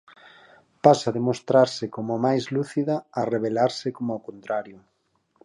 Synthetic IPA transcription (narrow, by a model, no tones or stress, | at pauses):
pasaðemost̪ɾaɾsɪkomʊmajzluθiðaːreβ̞elaɾsɪkomʊokont̪ɾaɾjʊ